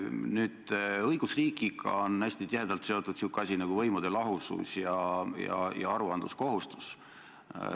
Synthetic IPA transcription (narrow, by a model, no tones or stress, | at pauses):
nyːd̪̥ɤjɡ̥usriːkˑiɡɑ̰onːæsʲt̪it̪iɦe̞d̪̥ɑlt̪se̞o̞t̪ːˑud̪̥siukːˑɑsʲinɑɡ̥uvɤjmud̪̥e̞lɑɦusṵsjɑjɑ̰jɑ̰ɑɾuɑnd̪lṵsko̞ɦust̪u̥s